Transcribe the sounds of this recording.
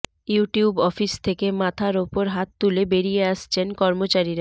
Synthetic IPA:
juʈiubɔfist̪ʰekemat̪ʰaɾopoɾɦat̪̚ːulebeɾijeaʃt͡ɕʰenkɔɾmot͡ɕaɾiɾa

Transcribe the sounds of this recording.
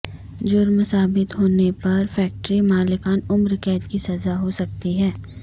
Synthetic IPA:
d͡ʒʊɾmsaːbɪt̪ɦoːnepɐɾfɛːk̚ʈɾimaːlɪkaːnʊmɾɪkɛːt̪kisɐzaɦosɐk̚t̪iɦɛː

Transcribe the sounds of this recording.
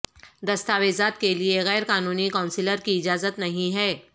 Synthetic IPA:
d̪ɐst̪aːʋeːzaːt̪kelieɣɛːɾkaːnuːnikaːʊ̃nsɪləɾkiɪd͡ʒaːzət̪nɐɦĩɦɛː

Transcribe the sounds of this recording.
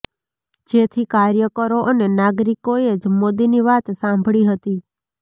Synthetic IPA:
d͡ʒet̪ʰikaɾjəkəɾoʔənenaɡɾikoed͡ʒmod̪iniʋat̪sãmbʱɭiɦət̪i

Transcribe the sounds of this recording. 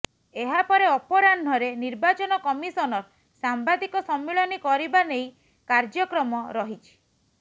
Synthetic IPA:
eɦapɔɾeɔpɔɾanʱɔɾeniɾbat͡ʃɔnɔkɔmisɔnɔɾ | sambad̪ikɔsɔmːeɭɔnikɔɾibanej | kaɾd͡ʒɔkɾɔmɔɾɔɦit͡ʃʰi̥

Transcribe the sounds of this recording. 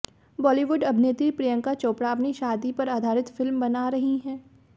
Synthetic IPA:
bɔːliʋʊɖɐbʱneːt̪ipɾijə̃ŋkat͡ʃoːpɽaɐpniʃaːd̪ipɐɾaːd̪ʱaːɾɪt̪fɪlmbɐnaɾɐɦiɦɛ̃ː

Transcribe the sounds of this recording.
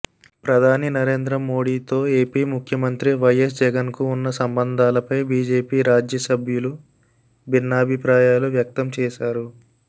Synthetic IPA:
pɾɐd̪ʱaːninɐɾe̞ːnd̪ɾɐmoːɽiːt̪o̞ːe̞ːpiːmukʰjɐmɐnt̪ɾiʋɐjes̬d͡ʒɛɡɐnkuːnːɐsɐmbɐnd̪ʱaːlɐpɐjbiːd͡ʒe̞ːpiːɾaːd͡ʒjɐsɐbʱjulu | bʱinːaːbʱipɾaːjaːluʋjɐk̚t̪ɐmt͡ʃɛːʃaːɾu

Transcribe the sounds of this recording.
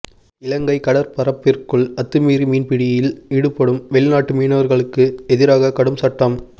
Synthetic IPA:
ɪlɐŋɡɐɪkɐɽɐɾpɐɾɐpːɪrkɯɭɐt̪ːɯmiːɾimiːnpɪɽɪjɐjɪliɽɯpːɐɽɯmʋɛɭɪnaːʈːɯmiːnɐʋɐɾɣɐɭɯkːɯɛðɪɾaːɣɐkɐɽɯmsɐʈːɐm

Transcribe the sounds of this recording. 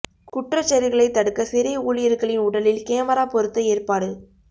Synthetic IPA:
kʊʈrɐt͡ʃːɐɾɪɣɐɭɐɪt̪ːɐɽɯkːɐsɪɾɪuːlɪjɪɾkɐɭɪnʊɽɐlɪlkeːmɐɾaːpɔɾɯt̪ːɐeːrpaːɽɯ

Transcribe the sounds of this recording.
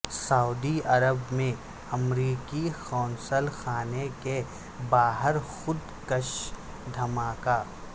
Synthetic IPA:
sɐʊd̪iɐɾəbmẽ | ɐmɾiːkixɔːnsəlxaːneke | baːɦəɾxʊd̪ | kəʃ | d̪ʱɐmaːkaː

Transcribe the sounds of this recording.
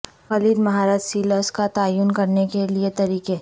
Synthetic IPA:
xɐliːd̪mɐɦaːɾaːd͡ʒsiːləskat̪aːjuːnkɐɾnekeliet̪ɐɾiːke

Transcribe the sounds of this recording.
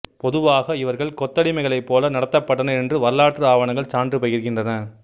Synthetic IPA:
pɔðɯʋaːɣɐɪʋɐɾɣɐɭkɔt̪ːɐɽɪmɐɪɣɐɭɐɪpːoːlɐnɐɽɐt̪ːɐpːɐʈːɐnɐɛndrɯʋɐɾɯlaːʈrɯaːʋɐɳɐŋɡɐɭt͡ʃaːndrɯpɐjɪɾɯɣɪndrɐnɐ

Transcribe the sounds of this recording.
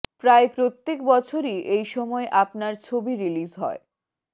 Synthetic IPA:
pɾaepɾot̪ːekbɔt͡ɕʰoɾiʔejʃɔmɔeʔapnaɾt͡ɕʰobiɾilizɦɔ̰e

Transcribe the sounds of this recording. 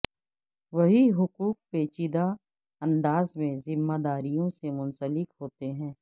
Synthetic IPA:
ʋɐɦiɦʊkuːk̚peːt͡ʃid̪a | ɐ̃nd̪aːzmẽzɪmːad̪aːɾijõsemʊ̃nsəlɪkɦoːt̪eɦɛ̃ː

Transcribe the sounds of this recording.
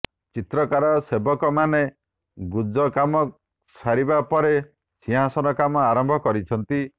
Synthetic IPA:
t͡ʃit̪ɾɔkaɾɔsebɔkɔmane | ɡud͡ʒɔkamɔ | saɾibapɔɾe | siɦasɔnɔkamɔaɾɔmbʱɔkɔɾit͡ʃʰɔnt̪i

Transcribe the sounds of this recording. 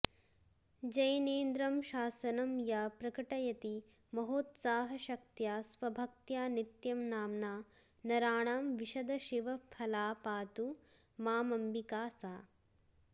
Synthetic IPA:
d͡ʒɐjɐneːnd̪ɾɐmʃaːsɐnɐmjaːpɾɐkɐʈɐjɐt̪i | mɐɦoːt̪saːɦɐʃɐk̚t̪jaːsʋɐbʱɐk̚t̪jaːnit̪jɐmnaːmnaː | nɐɾaːɳaːmʋiʃɐd̪ɐʃiʋɐpʰɐlaːpaːt̪u | maːmɐmʋikaːsaː

